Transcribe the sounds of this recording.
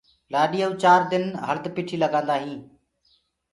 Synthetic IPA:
laːɗiːəuːt͡ʃaːɾd̪ɪnɦəld̪piːʈʰiːləɡãːnd̪aːɦĩː

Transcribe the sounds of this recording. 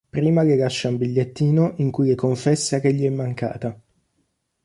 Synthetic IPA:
pɾiːmakelːaʃːaumbiʎːet̪ːiːnoʔiŋkujlekoɱfɛsːak̟eʎːiɛmːaŋka̰ːt̪a

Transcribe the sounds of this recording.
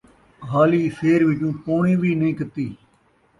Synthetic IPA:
ɦaːliːseːɾʋɪt͡ʃũːpoːɳiːʋiːnəĩːkət̪iː

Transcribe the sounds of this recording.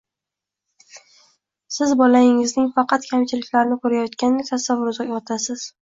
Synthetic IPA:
sɪzbɒlaɪŋɪznɪŋfɑqʰɑt̪kʲʰamt͡ʃʰɪlɪkʲlaɾnɪkʰɵɾajɒt̪kʲanɪnɪt̪ʰasavʊɾzaɒt̪ʰasɪz̥

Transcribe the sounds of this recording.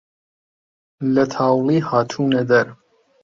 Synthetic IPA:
lɐt̪ʰaːwliːhaːt̪ʰuːnɐd̪ɐɾ

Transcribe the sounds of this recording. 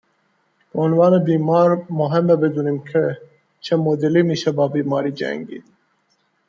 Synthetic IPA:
pəunʋɑːnebiːmɑːɾmoɦembɐbed̪unimkʰe | t͡ɕʰɐmod̪elimiɕɐbaːbiːmɑːɾid͡ʒæ̰ŋɡḭ

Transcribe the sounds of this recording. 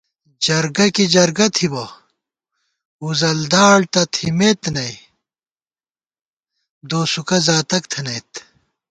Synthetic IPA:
d͡ʑɐɾɡɐkid͡ʑɐɾɡɐt̪ʰibɐ | uzɐld̪aːɭt̪ɐt̪ʰimet̪nɐj | d̪oːsukɐzaːt̪ɐk̚t̪ʰɐnɐjt̪

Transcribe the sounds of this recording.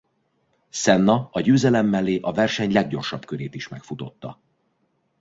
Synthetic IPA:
sɛnːɒɒɟøːzɛlɛmːɛlːeːʔɒvɛrʃɛɲlɛɡ̚ɟo̞rʃɒbkøɾeːt̪iʃmɛkfut̪o̞t̪ːɒ

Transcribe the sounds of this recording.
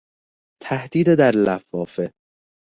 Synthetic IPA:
t̪ʰæhd̪̥iːd̪ed̪æɾlæfɒːfe

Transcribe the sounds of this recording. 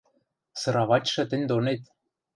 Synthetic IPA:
sɤ̆ɾɑβɑt͡ɕʲʃɤ̆t̪ɘ̆nʲd̪onet̪

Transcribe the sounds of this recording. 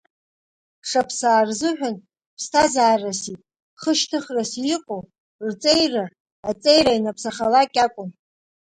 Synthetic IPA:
ʂapʰsaːrzɨħᶣʷan | pʰstʰazaːrasitʼ | χəʃtʰɨχrasjɪqʷʼow | rt͡sʼejra | at͡sʼejrajnapʰsaχalakʲʼakʷʼʊn

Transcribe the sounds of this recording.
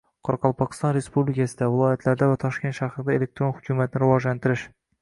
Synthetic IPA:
qʰɒɾqʰɑlˠpʰɒqɨ̥st̪ɒnɾe̞spublɪkʰʲasɪd̪avɪlˠɒjat̪ʰlaɾd̪avat̪ʰɒʃkʲʰe̞nt̪ʃahɾɪd̪ae̞lek̚t̪ʰɾonhʊkʲʰumat̪̚nɪɾɪvɒʒlant̪ʰɪɾɪʃ

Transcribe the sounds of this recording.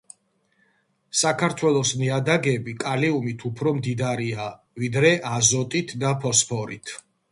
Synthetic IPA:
sakʰaɾt̪ʰwɛlˠɔsmiad̪aɡɛbikʼaliumit̪ʰupʰɾɔmd̪id̪aɾia | vid̪ɾɛʔazɔt̪ʼit̪ʰd̪apʰɔspʰɔɾit̪ʰ

